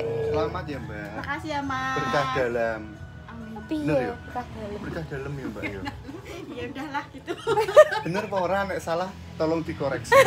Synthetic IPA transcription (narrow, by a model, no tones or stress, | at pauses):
səlamat̪̚jambaakasiamabərt̪ahd̥a̤lam | nərjoət̪ahd̥albərit̪ahd̥a̤ləmjambajo | jaudahlahɡit̪ub̥ənərpoɾanɛʔsalah | t̪ɔlɔŋd̪ikoɾɛks